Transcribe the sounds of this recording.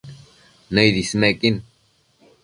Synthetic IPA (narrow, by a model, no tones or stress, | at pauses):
nəjðismekin